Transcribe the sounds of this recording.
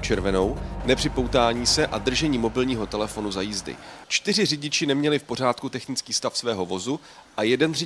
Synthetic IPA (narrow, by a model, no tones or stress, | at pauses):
t͡ʃɛɾvɛno̞wnɛpr̥ɪpo̞wt̪aːɲiːsɛʔad̪r̩ʒɛɲiːmo̞bɪlɲiːɦo̞t̪ɛlɛfo̞nuzajiːzdɪ̰t͡ʃt̪ɪr̝ɪrɪɟɪt͡ʃɪnɛmɲɛlɪfpo̞r̝aːt̪kut̪ɛxnɪt͡skiːst̪afsvɛːɦo̞vo̞zu | ʔajɛdɛnrɪ